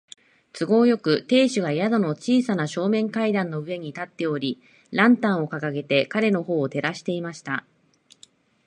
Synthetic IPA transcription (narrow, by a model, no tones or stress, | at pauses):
t͡sɨɡo̞ːjo̞kɯ̟t̪e̞ːɕɨɡaijad̪o̞no̞t͡ɕiːsanaɕo̞ːmẽ̞ŋkaid̪ãnːo̞ɯ̟e̞ɲ̟it̪at̪ːe̞o̞ɾʲi | ɾãnt̪ãɰ̃o̞kakaɡe̞t̪e̞kaɾe̞no̞ho̞ːt̪e̞ɾaɕi̥t̪e̞imaɕi̥t̪a